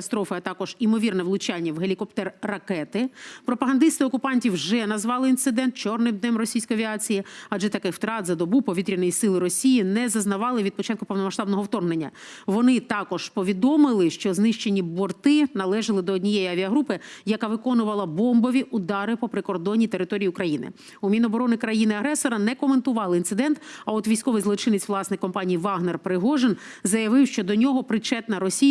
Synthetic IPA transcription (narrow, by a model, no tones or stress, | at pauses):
st̪ɾɔfɪɐt̪ɑkɔʒ̥imɔʋʲirnɛʋlˠʊt͡ʃanʲːɐwɦelʲikɔpt̪ɛrːɐkɛt̪ɪpɾɔpɐɦɐnd̪ɪst̪ɪɔkʊpɑnʲtʲiwʒɛnɐzʋɑlˠɪint̪sɪd̪ɛnt̪̚t͡ʃɔrnɪmd̪nɛmrɔsʲijsʲkɔjɐʋʲiɑt͡sʲijiɐʒɛt̪ɐkɪxw̥t̪ɾɑd̪zɐd̪ɔbupɔʋʲit̪ɾʲinɔjisɪlˠɪɾɔsʲijinɛzɐznɐʋɑlˠɪʋʲid̪̚pɔt͡ʃɑt̪̚kʊpɔʋnɔmɐʃt̪ɑbnɔɦɔwt̪ɔrne̞nʲːɐ̰ʋɔnɪt̪ɑkɔʒ̥pɔʋʲid̪ɔmɪlˠɪʃt͡ʃɔznɪʃt͡ʃe̞nʲːibɔrt̪ɪnɐlˠɛʒɐlˠɪd̪ɔɔdʲnʲijejiɐʋʲiɐɦɾupɪjɐkɑʋɪkɔnʊʋɐlˠɐbɔmbɔʋʲiʔʊd̪ɑɾɪpɔpɾɪkɔrd̪ɔnʲːit̪e̞ɾɪt̪ɔɾʲijiukɾɐjinɪ̰ | umʲinɔbɔɾɔnɪkɾɐjinɪɐɦɾɛsɔɾɐnɛkɔment̪ʊʋɑlˠɪint̪sɪd̪ɛnt̪ɐɔt̪ʋʲijsʲkɔʋɪjzlˠɔt͡ʃɪnet͡sʲʋlˠɑsnɪjkɔmpɑnʲijiʋɑɦnerpɾɪɦɔʒenzɐjɐʋɪwʃt͡ʃɔd̪ɔnʲɔɦɔpɾɪt͡ʃɛt̪nɐɾɔsʲi